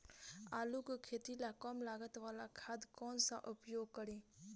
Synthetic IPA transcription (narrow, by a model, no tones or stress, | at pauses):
aːlukkʰeːt̪ilakɔmlaːɡət̪ʋaːlakʰad̪kɔːnsa̰ʔʊpjoːɡ̚kəɾiː